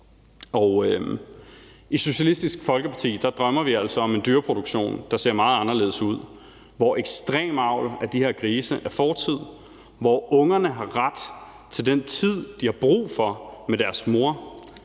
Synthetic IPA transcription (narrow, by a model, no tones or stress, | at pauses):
ɒʊ | ʔiso̝ɕælisd̥isɡ̥fɒ̽lɡ̥əpʰɑ̈t͡sʰḭːd̥ɑ̈d̥ʁɶmɐʋiæl̰sɒ̽ɒ̽me̝nd̥yːɐpʰʁo̝d̥oɡ̥ɕo̝̰ːnd̥ɑ̈se̝ɐ̰mɑ̈ːð̩ˠɑ̈nɐle̝ːðˠəsuð̞̰ˠ | ʋɒʔeɡ̥sd̥ʁḛːmɑ̈ʊ̰læd̥ihe̝ɐkʰʁiːsəʔæɐfɒːt͡sʰið̞̰ˠ | ʋɒɔ̽ŋɐnəɦɑ̈ʁad̥ | t͡sʰe̝ld̥ent͡sʰið̰ˠd̥ihɑ̈b̥ʁṵːfɒ̽med̥æɐsmo̝ɐ̰